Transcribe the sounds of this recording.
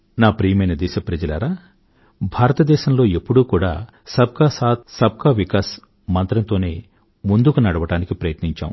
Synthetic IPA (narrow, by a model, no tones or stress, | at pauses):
naːpɾiːjmɐjnɐd̪ɛːʃɐpɾɐd͡ʒɐlɐ̰ɾaː | bʱaːɾɐt̪ɐd̪ɛːʃɐmlo̞ːepːuɽuːkuːɽa̰ː | sɐb̚kaːsaːt̪sɐb̚kaːʋikaːs | mɐnt̪ɾɐnt̪o̞ːne̞ː | mund̪ukunɐɽɐʋɐʈaːnikipɾɐjɐt̪niɲt͡ʃa̰ːwṵ